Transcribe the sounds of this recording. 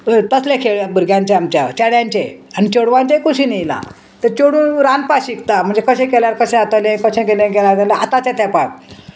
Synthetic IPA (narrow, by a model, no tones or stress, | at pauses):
t̪əslẽkʰeɭbəɾɡjãɲt͡ɕeamt͡ɕjat͡ɕɛɽjãɲt͡ɕeanit͡ɕoɽʋãɲt͡ɕẽkuɕinijla̰ | t̪əɾt͡ɕoɽuːnɾanpaɕik̚t̪am̤əɳd͡zekʰəɕẽkeljaɾkʰəɕẽat̪alekʰəɕẽkelẽkelat̪alẽat̪at͡ɕãt̪ʰɛpaɽ